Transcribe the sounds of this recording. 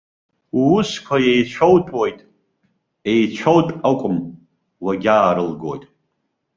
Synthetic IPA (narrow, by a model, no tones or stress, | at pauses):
ʊskʷʰajejt͡ʃʷʰowtʼwojtʼ | ejt͡ʃʷʰowtʼakʷʼʊm | waɡʲaːɾɨlɡo̞̰jtʼ